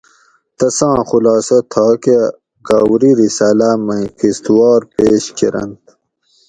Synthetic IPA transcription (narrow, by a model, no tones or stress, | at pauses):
t̪ɐsɑ̃ːxulɑːsɐt̪ʰɑːke | ɡaːwɾiɾisaːlamɐ̃jkist̪uwɑːɾpeːɕkʰiɾɐ̰nt̪̚